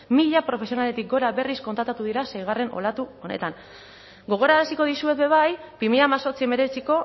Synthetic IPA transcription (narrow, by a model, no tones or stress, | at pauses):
miʎapɾo̞fe̞sio̞nale̞t̪ik̚ɡo̞ɾaβe̞risko̞nt̪ɾat̪at̪uðiɾasejɣ̞are̞nʔo̞̰lat̪uo̞ne̞̰t̪an | ɡo̞ɣ̞o̞ɾaasiko̞ð̞isue̞t̪̚be̞β̞ajpimiʎamaso̞ɾt͡sieme̞ɾe̞t͡siko̞